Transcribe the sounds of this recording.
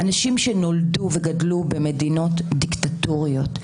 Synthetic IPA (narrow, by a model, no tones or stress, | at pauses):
ʔanaʃimʃeno̞lduveɡadlubeme̞dino̞tdiktatoʁijo̞t